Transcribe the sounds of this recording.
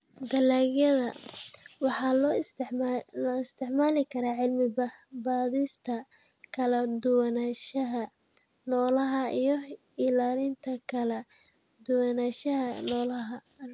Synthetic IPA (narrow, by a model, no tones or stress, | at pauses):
d̪ɐlaːɣjɐðɐ | wɑħɑlɔ | lɐɪst̪ʰɪʕmaːlɪkʰɐɾaːʕɪlmɪbɐhbaːðiːst̪ʰɐ | kʰɐlɐd̪ʊwɐnaːʃɐɦɐ | nɔːlɐɦɐijɞ | ɪlaːlɪnt̪ʰɐkʰɐlɛ | d̪ʊwɐnaːʃɐɦɐnɔːlɐɦɐ